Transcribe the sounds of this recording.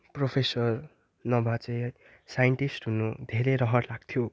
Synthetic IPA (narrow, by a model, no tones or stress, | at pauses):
propʰesʌr | nʌbʱat͡sʌj | sajʌɳʈisʈɦunud̪ʱeɾejɾʌɦʌʈlaɡ̥̚t̪ʰjo